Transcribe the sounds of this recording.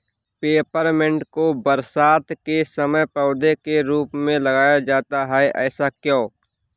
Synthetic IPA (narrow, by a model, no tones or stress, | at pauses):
peːpəɾmɪ̃ɳʈkobəɾsaːt̪kesəməjpɔːd̪ekeɾuːpmẽlɐɡaːjad͡ʒaːt̪aɦɛʔɛːsakjõː